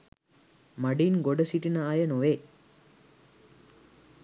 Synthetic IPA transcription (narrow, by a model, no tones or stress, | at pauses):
mɐɽinɡɔɽɐsiʈːinɐaːjɐnoʋeː